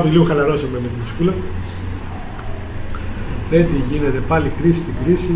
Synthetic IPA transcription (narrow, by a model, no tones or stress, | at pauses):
piliuuxɐlɐɾosɐmemet̪iskulɐ | θet̪iʝine̞t̪e̞pɐlikɾisi̥st̪iɡɾisi